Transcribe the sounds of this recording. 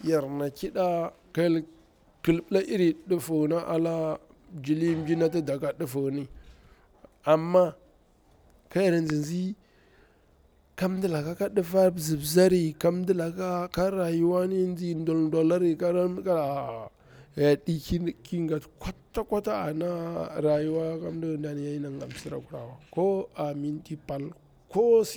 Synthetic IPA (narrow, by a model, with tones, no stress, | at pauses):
ja˨ɾna˨ki˦ɗa˦ | ka˦l | kə˨lbla˦ʔi˦ɾi˨ɗə˦fu˨na˦ʔa̰˨la˦ | d͡ʒi˨li˦mbi˦na˦t̬a˦da˨ka˦ɗu˦fu˨ni˦ | a˨mːa˦ | ka˦ja˨ɾnd͡zi˨nzi˦ | ka˦m˦di˦la˨ka˦ka˦ɗi˦fa˦bzi˨bza˦ɾi˨ka˦m˦di˦la˨ka˦ka˦ɾa˨ju˦wa˦ni˦nd͡ʒi˦ndo˨lndo˨la˦ɾi˦ka˦ɾa˦ka˦a˨ | ja˨ɗi˦ki˦ki˦ŋɡa˨tkʷa˦tːa˦kʷa˦ta˦a̰˨na˦ɾa˨ju˦wa˦ka˦m˦di˦˨nda˨ni˨ja˦i˦na˨ŋa̰˨m˨si˦ɾa̰˨ku˨ɾa˨wa˨ko˦a˨mi˦nti˦pa˨l | ko˦s